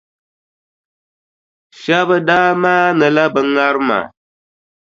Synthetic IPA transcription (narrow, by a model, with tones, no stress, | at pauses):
ʃɛ˦βɨ˦daː˦maː˦nɨ˨la˦bɨ˨ŋa˦ɾɨ˦ma̰˨